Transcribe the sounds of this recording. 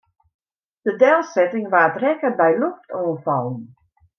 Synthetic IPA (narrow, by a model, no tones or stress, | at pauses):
d̥ədɛlˠsɛtɪŋʋaːdrɛkəbɛjloftɔːnfɑlˠən